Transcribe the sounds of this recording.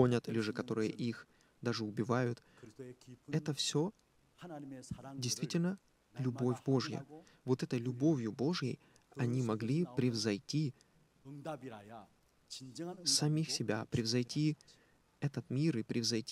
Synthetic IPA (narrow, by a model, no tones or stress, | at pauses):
o̞nʲət̪ɨlʲɪʐɨkɐt̪o̞ɾɨjə̰ʔix | d̪aʐɨʊbʲɪvajʊt̪ | ɛt̪əfsʲo̞ | dʲɪjst̪vʲitʲɪlʲnə | lʲʊbo̞fʲbo̞ʐjə̰ | vo̞t̪ɛt̪əjlʲʊbo̞vʲjʊbo̞ʐjə̰j | ɐnʲimɐɡlʲipɾʲɪvzɐjtʲi | sɐmʲixsʲɪbʲa̰pɾʲɪvzɐjtʲʰi | ɛt̪ət̪mʲiɾɨpɾʲɪvzɐjtʲ